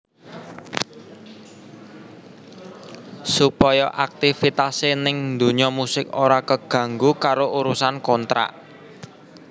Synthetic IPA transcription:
supɔjɔʔak̚t̪ifit̪asenɪŋnd̪o̤ɲɔmusɪkoɾakəɡ̥ä̤ŋɡukaɾoʔuɾusankɔnt̪ɾa̰ʔ

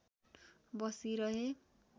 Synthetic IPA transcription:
bʌsiɾʌɦe

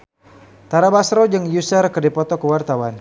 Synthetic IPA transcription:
t̪aɾabasɾɔd͡ʒɨŋjusərkərdipɔt̪ɔkəwart̪awan

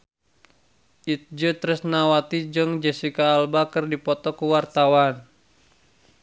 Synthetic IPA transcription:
ʔit̪̚d͡ʒət̪ɾəsnawat̪id͡ʒəŋd͡ʒɛsikaːlbakərdipɔt̪ɔkəwart̪awan

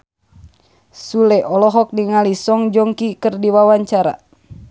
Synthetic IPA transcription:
sulɛʔɔlɔɦɔk̚diŋalisɔŋd͡ʒɔŋkikɨrdiwawaɲt͡ʃaɾa̰

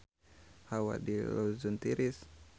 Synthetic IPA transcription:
hawa̰dilɔzunt̪iɾis

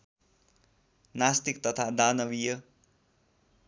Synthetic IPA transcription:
nast̪ikt̪ʌt̪ʰad̪anʌwijʌ

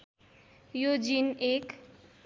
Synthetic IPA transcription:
jod͡zinek

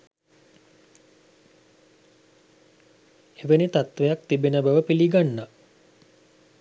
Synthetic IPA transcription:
eʋənit̪at̪ʋejak̚t̪ibenəbəʋəpiliɡanːa

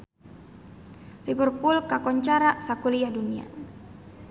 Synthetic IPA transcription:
ribərpʊlkakɔɲt͡ʃaɾaʔsakuliahdunia̰

